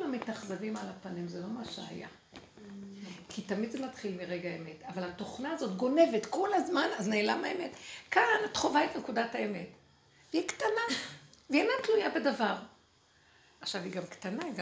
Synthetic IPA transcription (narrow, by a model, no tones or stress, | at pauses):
lamitaχzavimalapanimzelo̞maʃḛha̰ja̰ | kʰitamidzemat̪χilmiʁeɡaeme̞tavalato̞χnaːzo̞tɡo̞ne̞vetkolazmanazneːlamaeme̞tkanat̪χo̞vaetnekudataeme̞t | veiktanaveenatlujabedavaʁ | aχʃaviɡamktanaiɡa